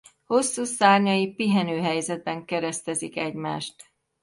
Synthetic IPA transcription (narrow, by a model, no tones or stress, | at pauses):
ho̞sːuːsaːrɲɒjipiɦɛnøːɦɛjzɛd̪̚bɛŋkɛɾɛst̪ɛzikɛɟmaːʃt̪